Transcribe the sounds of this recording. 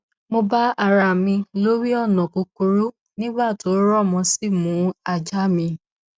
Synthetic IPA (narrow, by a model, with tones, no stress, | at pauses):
mo˧ba˦a˦˨ɾa˨mĩ˧lo˦ɾi˦ɔ˦˨nɔ̃˨ko˧ko˧ɾu˦ | nĩ˦ɡ͡ba˦˨to˨˦ɾɔ˦˨mɔ̃˧si˦˨mũ˨˦a˧˨d͡ʒa˦mĩ˧